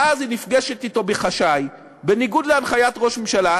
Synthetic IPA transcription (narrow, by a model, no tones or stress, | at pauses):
azinifɡeʃetito̞beχaʃaj | beniɡudleanχajatʁo̞ʃmemʃala